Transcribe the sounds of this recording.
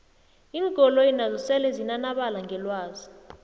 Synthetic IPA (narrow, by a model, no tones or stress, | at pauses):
iːŋkʼɔlɔjinazɔsɛlɛzinanaɓalaŋʱɛlwaːzi